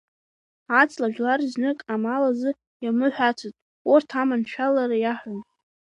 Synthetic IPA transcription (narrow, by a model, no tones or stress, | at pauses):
at͡sʼlaʒᶣlarznɨkʼamalazɨ | jamɨħʷᶣat͡sʰatʼ | ortʰamanʃʷᶣʰalaɾajaħʷᶣan